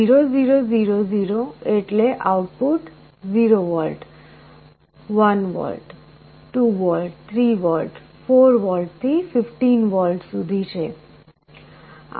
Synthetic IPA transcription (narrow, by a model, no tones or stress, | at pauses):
iɾoziɾoziɾoziɾoeʈleʔawʈ̚puʈ | ziɾowɔlɖ | wanwɔ̰lɖ | ʈubɔlɖt̪ʰɾibɔlɖ | pʰoɾʋɔlɖt̪ʰififʈinwɔlɖsud̪ʱit͡ʃʰe